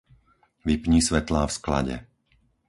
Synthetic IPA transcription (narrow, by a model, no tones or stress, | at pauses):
ʋipɲiːsʋɛt̪laːfskla̰ɟɛ̰